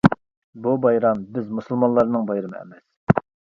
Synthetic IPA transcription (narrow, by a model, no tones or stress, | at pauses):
bubɑjɾɑmbɪzmusɨlˠmɑnlˠɑɾnɨŋbɑjɾɨmɨ̰ɛ̰mɛs